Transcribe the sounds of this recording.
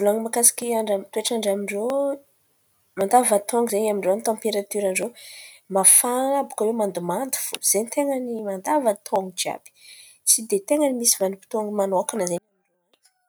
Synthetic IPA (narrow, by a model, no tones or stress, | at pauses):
vulaŋimakasḁkʲiaɳɖ͡ʐamt̪ueʈ͡ʂaɳɖ͡ʐamiɳɖ͡ʐo | mand̪avat̪ʰɔŋɡizeɲamiɳɖ͡ʐoanit̪ãmpeɾat̪yɾanɖ͡ʐomafanabukawemand̪umand̪u̥fuz̥enit̪eŋənimand̪avat̪ʰoŋid͡ʒia̰b̥i̥ | t͡sid̪et̪eŋənimisivanipi̥t̪oŋmanakanaze